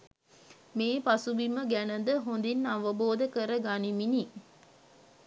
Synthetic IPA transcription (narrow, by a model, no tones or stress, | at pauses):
meːpasuʋiməɡænəd̪əɦond̪inaʋəboːd̪əkəɾəɡanimini